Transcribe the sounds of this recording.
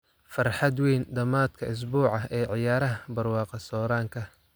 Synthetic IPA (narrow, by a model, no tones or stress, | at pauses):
fɐrħɑd̪wejnd̪ɐmaːd̪kʰɐɪs̬buːʕɑɛːʕɪjaːɾɐɦɐbɐrwɑːqɑsɔːɾaːŋkʰɐ